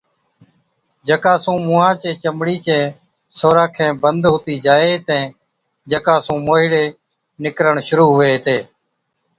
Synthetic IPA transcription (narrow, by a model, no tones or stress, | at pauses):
d͡ʒəkaːsũːmũːãːt͡ʃẽːt͡ʃəmɽiːt͡ʃẽː | soːɾãːkʰẽːbənd̪ɦʊːt̪iːd͡ʒaːeːt̪ɛ̃ː | d͡ʒəkaːsũːmoːɦɪɽeː | nɪkɾəɳʃʊɾuːɦʊeːt̪eː